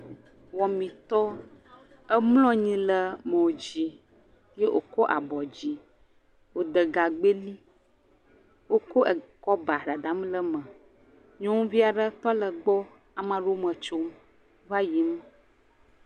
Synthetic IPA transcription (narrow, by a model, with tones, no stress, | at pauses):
wɔ˨mĩ˨t̪ɔ˦ | ə˦mlɔ̃˦ɲĩ˦lə˨mə̃˨wo˨d͡ʑi˨ | je˦ʔo̰˨kɔ˦ʔa̰˨bɔ˨d͡ʑi˨ | wo˨d̪ə˨ɡa˨ɡ͡be˦li˦ | wo˦kɔ˦ʔkɔ˦ba˨ɖa˨d̪a˨˦m˦lə˦mə̃˨ | ɲɔ̃˦ŋũ˦vi˦a˨ɖə˦t̪ɔ˦lə˨ɡ͡bɔ˦ | a˨mã˨ɖo˦mə̃˨t͡ʃo˦m | va˦ji˨˦m˦